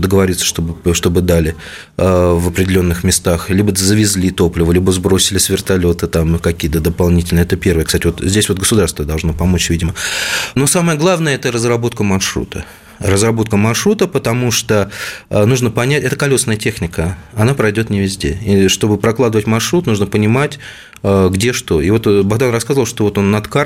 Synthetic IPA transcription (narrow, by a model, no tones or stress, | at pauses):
d̪əɡəvɐɾʲit̪sːə̥ʂt̪obʂt̪o̞bɨd̪alʲɪ | vəpɾʲɪdʲɪlʲo̞nːɨxmʲɪst̪axlʲibəzəvʲɪzʲlʲit̪o̞plʲɪvəlʲibəzbɾo̞sʲɪlʲɪsvʲɪrt̪ɐlʲo̞t̪ɨt̪amkɐkʲijət̪əd̪əpɐlˠnʲitʲɪlʲnəɛt̪əpʲe̞rvəjəksatʲɪvot̪zʲdʲesʲvoɡəsʊd̪arst̪vəd̪ɐlˠʐno̞pɐmo̞t͡ɕvʲidʲɪmənosaməjəɡlˠavnəjəɛt̪ərəzrɐbo̞t̪̚kəmɐrʂɾṵt̪ʰə | rəzrɐbo̞t̪̚kəmɐrʂɾut̪əpət̪ɐmuʂt̪onuʐnəpɐnʲætʲɛt̪əkɐlʲo̞snəjətʲe̞xnʲɪkəɐnapɾɐjdʲo̞t̪nʲɪvʲɪzʲdʲe̞̰iʂt̪o̞bɨpɾɐklˠad̪əvətʲmɐrʂɾut̪nuʐnəpənʲɪmatʲ | əɡdʲe̞ʂt̪o̞ivo̞t̪baɣd̪anrɐskazəvəlˠʂt̪ovo̞t̪o̞nːɐt̪ka